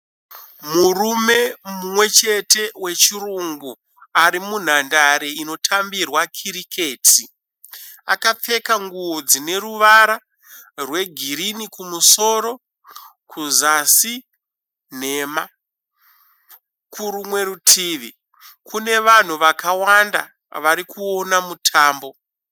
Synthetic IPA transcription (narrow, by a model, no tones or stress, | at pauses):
murume̞mumwe̞t͡ʃe̞te̞we̞t͡ʃiruŋɡu | aɾimun̤andaɾeino̞tʰambirwakʰiɾikeːtʰi | a̰kap͡fe̞kaŋɡuod͡zine̞ɾuʋaɾa | rwe̞ɡʱiɾinikumuso̞ːɾo̞ | kuzasi | n̤e̞ːma | kuɾumwe̞ɾutʰiːʋi | kune̞ʋan̤uʋakawanda̰ | ʋaɾikʰuo̞namutʰaːmbo̞